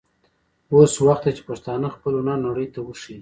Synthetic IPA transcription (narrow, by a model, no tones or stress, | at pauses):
oswaxt̪et͡ʃe̥paʂt̪ɑnəxpəlunɑnaɽəjt̪awəʃi